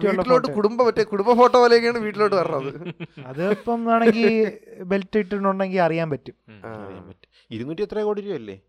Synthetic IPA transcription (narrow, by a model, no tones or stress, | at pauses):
iːʈːiloːʈːɨkuɽumbɐpɐtːekuɽumbɐfo̞ːʈːoːʋɐːlɐjeŋɡijaːɳɨʋiːʈːilo̞ːʈːɨʋɐɾɐrɐɐðɨɐðɨopːɐmaːɳeŋɡilbe̞ltːɐiʈːinuɳɖe̞ŋɡilɐrijaːmpɐtːuma̰ɐ̰rija̰ːmpɐtːu̥ | iɾunːuʈːijet̪rɐkoːɽiɾijoɐlːḛː